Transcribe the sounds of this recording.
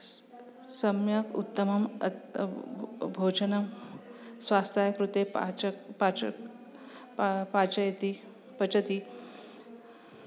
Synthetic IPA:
səmjəkṵt̪ːəmɐm | bʱod͡ʒənɐm | sʋast̪ajɐkɾut̪eapa | pat͡ʃɐjt̪i | pɐt͡ʃɐt̪i

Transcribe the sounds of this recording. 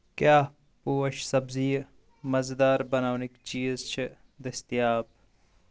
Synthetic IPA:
kjaː | puːɐʃsɐbziː | mɐzd̪aːɾbɐnaːnikt͡ʃiːzt͡ʃʰi | d̪ɐst̪ijaːb̚

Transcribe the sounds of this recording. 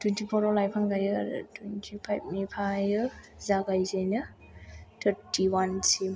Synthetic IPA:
twentipʰɔɾɔlajpʰaŋɡajɯa̰ɾ̰tʰwentʰipʰajb̚mipʰajɯzaɡajzajnɯ | tʰəɾtʰiwansi

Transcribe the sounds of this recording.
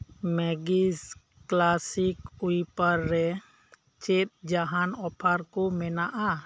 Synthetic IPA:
mɛɡis | klasikujpaɾːɛ | t͡ʃet̪̚d͡ʒaɦanɔpʰaɾkomɛnaʔa

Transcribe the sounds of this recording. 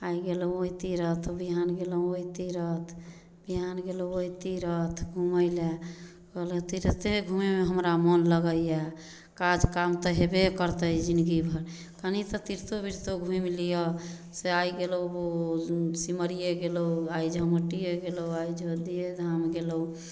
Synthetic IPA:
aiɡeləoit̪iɾət̪ʰbiɦanɡelə̃oit̪iɾət̪ʰ | biɦanɡelooit̪iɾət̪ʰɡʱuməɪle | kəlt̪iɾət̪eɡʱumemeɦəmɾamənləɡəja | kad͡ʒkamt̪ɔɦebekəɾt̪əid͡ʒind̪ɡibʱəɾ | kanit̪ɔt̪iɾt̪obʱiɾt̪oɡʱũimlijɔ | seajɡelowbosiməɾijeɡelouaid͡ʒʱəməʈijeɡelowaid͡ʒʱod̪ijed̪ʱamɡeləu

